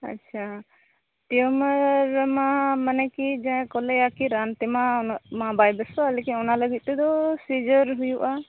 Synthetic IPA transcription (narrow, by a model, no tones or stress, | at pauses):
a̰tːt͡ʃʰa | ʈioməɾmamənɛkid͡ʒãkɔlɛakiɾant̪ɛmanamabajbəsɔalekinɔnaləɡit̪̚t̪ɛd̪ɔsid͡ʒəɾɦujuʔa